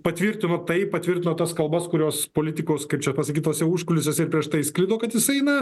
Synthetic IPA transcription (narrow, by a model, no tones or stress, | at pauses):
pɐt̪ʲʋʲiɾʲt̪ʲɪnoːt̪ɐɪpɐt̪ʲʋʲɪɾʲt̪ʲɪnoːt̪ɐskɐlˠbɐskʊɾʲoːspoːlʲɪt̪ʲɪkoːskɐɪpt͡ʃʲɛpɐsɐkʲiːt̪oːsʲɛuʃkʊlʲɪsʲɛsʲɪɾrpʲɾʲiɛʃt̪ɐɪsklʲɪd̪oːkɐt̪jɪsɐɪɪnɐ